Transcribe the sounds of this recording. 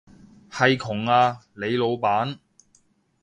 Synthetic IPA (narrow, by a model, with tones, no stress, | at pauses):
hɐ˨jkʰʊ˨˩ŋaː˧le˨˧jlo˨˧wpaː˨˥n